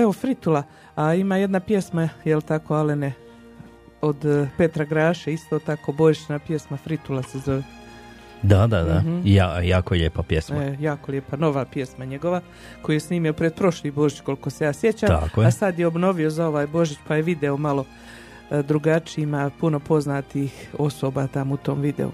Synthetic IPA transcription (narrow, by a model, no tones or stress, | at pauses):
e̞ʋo̞fɾit̪ula | aimaːje̞d̪napje̞smajelt̪ako̞alene | od̪pe̞t̪ɾaɡɾaːʃeist̪o̞ːt̪ako̞ːbo̞ʒit͡ɕnapje̞smafɾit̪ulˠasezo̞ʋe | d̪ad̪ad̪ajajaːkojeʎeːpapjḛsmaejaːko̞lʲjepano̞ʋapje̞smaɲe̞ɡo̞ʋa | ko̞jujesniːmiopɾed̪̚pɾo̞ʃliːbo̞ʒit͡ɕko̞lˠikose̞jaːsjet͡ɕaːmakoasad̪jeo̞bno̞ʋio̞zao̞ʋaːjbo̞ʒit͡ɕpajeʋid̪eomalo̞ | d̪ɾuɡat͡ʃiimapuno̞po̞znaːt̪ixo̞so̞ːbaːt̪amut̪o̞ːmʋid̪ḛṵ